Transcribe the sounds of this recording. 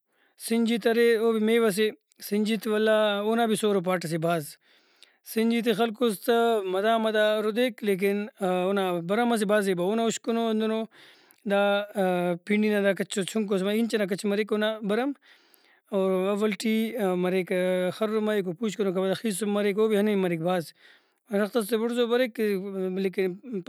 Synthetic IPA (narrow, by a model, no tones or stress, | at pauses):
siɲd͡ʒit̪ɐɾeobimeːʋɐs̬e | siɲʲd͡ʒiːt̪iʋɐlːaoːnaːbisoːɾop̬aːʈɐs̬ibaːz | siɲʲd͡ʒiːt̪̬ixɐlkoːst̪ɐmɐd̪aːmɐd̪aːɾod̪eːkleːk̬inonabɐɾɐmɐs̬ibaːzebaonauʃkonoɐnd̪ono | d̪aː | piɳɖinad̪aːkɐt͡ʃʰot͡ʃʰuŋk̬os̬maint͡ʃɐnak̬ɐt͡ʃʰmɐɾekonabɐɾɐm | oːɾɐʋɐlʈimɐɾeːkxɐɾːomaikopuːt͡ʃkonokɐɐd̪axiːsmːɐɾekoːbiɦɐnɐmɐɾik̚baːz | ɐnɐxt̪ɐst̪ebuɽzobɐɾekleːkin